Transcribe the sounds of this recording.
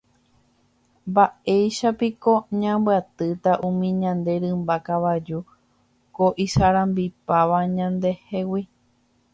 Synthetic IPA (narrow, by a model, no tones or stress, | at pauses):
mbae̞jʃapiko̞ɲãmbɨat̪ɨt̪aʔũmĩɲãnd̪e̞ɾɨ̃mbakaʋad͡ʒu | ko̞ʔisaɾãmbipaʋaɲãnd̪e̞he̞wi